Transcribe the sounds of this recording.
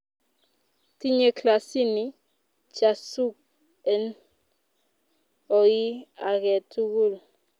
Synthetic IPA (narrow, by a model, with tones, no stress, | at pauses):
ti˦ɲe˦kla˨si˦ni˨ | t͡ʃa˨su˦k̚ | ɛ˨n | ɔ˨ji˦a˨ɣɛ˨tu˦ɣu˦˨l